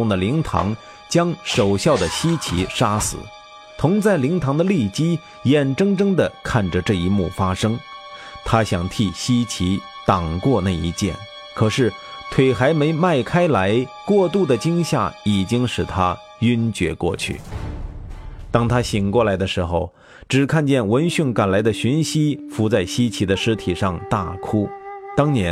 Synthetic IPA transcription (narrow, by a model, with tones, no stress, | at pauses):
ʊ˥˩ŋd̪ə˩li˧˥ŋt̪ʰɑ̰˧˥ŋ | t͡ɕjɑ˥ŋʂo˨˩ʊɕjɑ˥˩ʊd̪ə˩ɕi˥t͡ɕʰḭ˧˥ʂa˥sɹ̩̰˨˩˦ | t̪ʰʊ˧˥ŋt͡sa˥˩ɪli˧˥ŋt̪ʰɑ˧˥ŋd̪ə˧li˥˩t͡ɕi˥ | jɛ˨˩nʈ͡ʂɤ˥ŋʈ͡ʂɤ˥ŋd̪ə˨kʰa˥˩nʈ͡ʂə˩ʈ͡ʂɤ˥˩i˧˥mṵ˥˩fa˥ʂɤ˥ŋ | t̪ʰa˥ɕjɑ˨˩ŋt̪ʰi˥˩ɕi˥t͡ɕʰi˧˥ | t̪ɑ˨˩ŋkwɔ˥˧na˥˩ɪḭ˧˥t͡ɕjɛ̰˥˩n | kʰɤ˨˩ʂɻ̩˥˩ | t̪ʰwe˨˩ɪxa˧˥ɪme˧˥ɪma˥˩ɪkʰa˥ɪla˧˥ɪkwɔ˥˧t̪u˥˩d̪ə˩t͡ɕi˥ŋɕja˥˩i˨˩t͡ɕi˥ŋʂɻ̩˨˩t̪ʰa˥ | y˥nt͡ɕɥɛ̰˧˥kwɔ̰˥˧t͡ɕʰy̰˥˩ | t̪ɑ˥ŋt̪ʰa˥ɕi˨˩ŋkwɔ˥˩la˧˥ɪd̪ə˧ʂɻ̩˧˥xo˧ʊ | ʈ͡ʂɻ̩˨˩kʰa˥˧nt͡ɕjɛ˥˩nwə˧˥nɕy˥˩ŋka˨˩nla˧˥ɪd̪ə˧ɕy˧˥nɕi˥fu˧˥t͡sa˥˩ɪɕi˥t͡ɕʰi˧˥d̪ə˧ʂɻ̩˥t̪ʰi˨˩ʂɑ˥˧ŋt̪a˥˩kʰu˥t̪ɑ˥ŋnjɛ˧˥